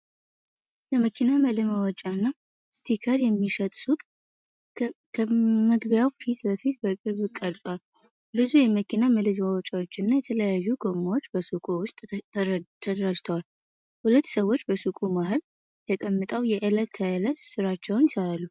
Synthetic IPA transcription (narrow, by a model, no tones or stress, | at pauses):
ləməkʰinaməlɨmawɔt͡ʃʼanːa | st̪ʰikʰaɾjɛmːiʃət̪ʼsut̪ʼ | kʰməɡbjawfit̪bəfit̪bəkʼɨɾβkʼəɾt̪ʼwal | bɨzujɛməkʰinaməlɨd͡ʒmawɔt͡ʃʼawot͡ʃːɪnːajɛt̪ʰələjajːuɡo̞mawo̞t͡ʃːbəsukʼuwʊst̪ʼʰː | t̪ʰəd̪əɾad͡ʒt̪ʰəwal | hulət̪ːsəwːot͡ʃːbəsukʼumaɦɨl | ɛt̪ʰəkʼəmːɨt̪ʼəwjɛʔɨlət̪ʰːajɨlət̪sɨɾat͡ʃːɛwnjɪsəɾalːu